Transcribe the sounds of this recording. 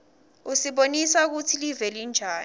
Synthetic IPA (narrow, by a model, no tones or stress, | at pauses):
usiɓonisak̬utʰilivɛlind͡ʒʱaːn